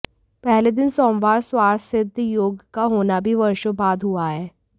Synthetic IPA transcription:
pɛɦled̪ɪnsɔːmʋaːɾswaːɾsɪd̪joːɡkaɦoːnabʱiʋɐɾʃəbaːd̪ʱɦuaɦɛː

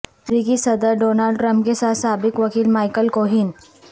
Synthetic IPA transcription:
tɾikisɐd̪əɾɖoːnalɖʈɾə̃mpkesat̪saːbɪkʋɐkiːlmajkəlkoɦin

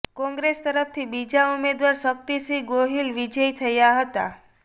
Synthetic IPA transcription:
kɔ̃ŋɡɾest̪əɾəft̪ʰibid͡ʒaumed̪ʋaɾsək̚t̪isiɡoɦilʋid͡ʒəjt̪ʰəjaɦət̪a̰

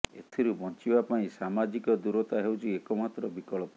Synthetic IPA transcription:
ḛt̪ʰiɾubɔ̃t͡ʃibapaĩsamad͡ʒikɔd̪uɾɔt̪aɦewt͡ʃʰiekɔmat̪ɾɔbikɔɭɔp

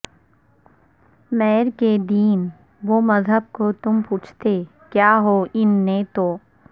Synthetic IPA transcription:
mɛːɾked̪iːn | ʋomɐzɦəb̚kot̪ʊmpuːt͡ʃʰt̪e | kjaːɦoʔɪnːet̪oː

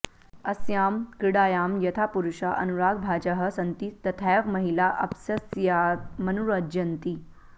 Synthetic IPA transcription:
ɐsjaːmkɾiɽaːjaːmjɐt̪ʰapuɾuɕaʔɐ̰nuɾaːɡ̚bʱaːd͡ʑaɦɐsɐnt̪id̪ɐt̪ʰajʋmɐɦilaʔɐpsɐsjamɐnuɾəd͡ʒjɐnt̪i

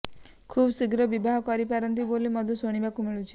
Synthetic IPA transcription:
kʰubsiɡɾɔbibaɦɔkɔɾipaɾɔnt̪̬ibolimɔd̪ʱɔsoɽ̃ibakumiɭut͡ʃʰi̥

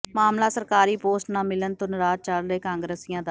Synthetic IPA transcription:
maːmlaːsəɾkaːɾiːpoːsʈnãːmɪlənt̪ʊnɾaːt͡ʃəlɾeːkãːŋɡɾeːsɪjãːd̪a

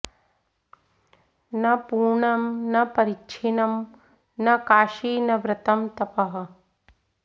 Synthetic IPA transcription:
nɐpuːɾɳɐmnɐpɐɾit͡ʃʰinɐm | nɐkaːʃiːnɐʋɾɐt̪ɐmt̪ɐpɐɦɐ̆

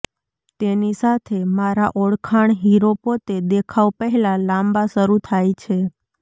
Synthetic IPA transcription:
t̪enisat̪ʰemaɾaʔɔɽkʰaɳɦiɾopot̪ed̪ekʰaʋpəɦɛlalãmbaʃəɾut̪ʰajt͡ʃʰe

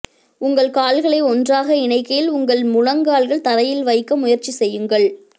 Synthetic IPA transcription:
ʊŋɡɐɭkaːlɣɐɭɐɪɔndraːɣɐɪɳɐɪkːɐjɪlʊŋɡɐɭmʊɻɐŋɡaːɭɣɐɭt̪ɐɾɐjɪlʋɐɪkːɐmʊjɐɾt͡ʃisɛjːɯŋɡɐɭ

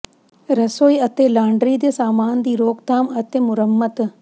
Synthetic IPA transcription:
ɾɐsoːjɐt̪eːlaːɳɖɾiːd̪ɐsaːmaːnd̪iːɾoːkt̪aːmɐt̪emʊɾɐmːɐt̪

